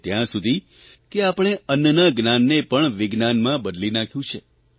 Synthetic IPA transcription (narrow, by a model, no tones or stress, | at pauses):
t̪jãsud̪ʱi | keapəɽ̃eənːənaɡnanːepəɳʋɪɡnanmãbəd̪linakʰjũt͡ʃʰe